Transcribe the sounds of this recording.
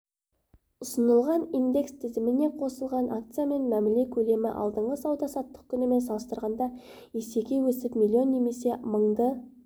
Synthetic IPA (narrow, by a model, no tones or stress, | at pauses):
ʊsənəlˠʁɑnind̪e̞kst̪ʰɪzɪmɪne̞qʰo̞səlˠʁɑnʔakt̪sɨjame̞nmæmɪle̞kʲʰɵle̞mɪʔɑ̰lˠd̪əɴʁəsɑwd̪ɑsɑt̪ːə̥q̚kʲʰʏnɪme̞nsɑlˠəst̪əɾʁɑnd̪ɑ | ese̞kʲe̞wɵsɪpmilʲˠio̞nːe̞me̞se̞məɴd̪ə